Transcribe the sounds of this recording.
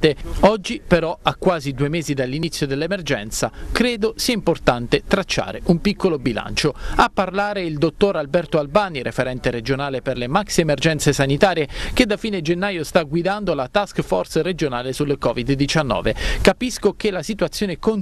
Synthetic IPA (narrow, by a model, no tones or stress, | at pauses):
t̪eɔd͡ʒːipeɾɔakːwaːzid̪uemeːzid̪alːinit̪sːjod̪elːemerd͡ʒɛ̰nt̪sa̰kɾeːd̪osiaimport̪ant̪et̪ɾat͡ʃːa̰ːɾeʔumpikʰːolobila̰nt͡ʃoapːarlaːɾeild̪ot̪ːoɾalbɛrt̪oalbaːniɾʔefeɾɛnt̪eɾed͡ʒonaːleperlemaksiemerd͡ʒɛnt̪sesanit̪aːɾjeked̪ːafiːned͡ʒenːaːjost̪aɡwid̪and̪olat̪askfɔrsred͡ʒonaːlesulekɔːvid̪ːit͡ʃanːɔ̰ːvekapiskok̟elasit̪wat̪sːjoːnekon